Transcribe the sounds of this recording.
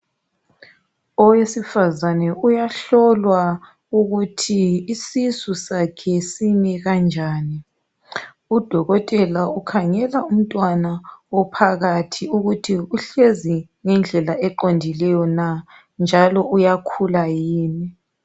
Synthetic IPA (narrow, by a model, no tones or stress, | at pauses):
ɔwesifazanɛujaɬɔlwa | uɣutʰiisisusakʰɛsiniɣand͡ʒʱaːni | ud̥ʱɔɣɔtʼɛlaukʰaŋɛlaum̩tʼwanawɔpʰaɣatʰiuɣutʰiuɬezi | ŋɛnd͡ɮʱɛlaɛǃondʱilɛjɔna | nd͡ʒʱalɔujakʰulajiːni